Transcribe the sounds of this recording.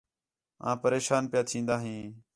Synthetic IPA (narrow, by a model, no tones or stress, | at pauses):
ã̰ːpəɾeːʃaːnpɪjaːt̪ʰĩːnd̪aːɦĩː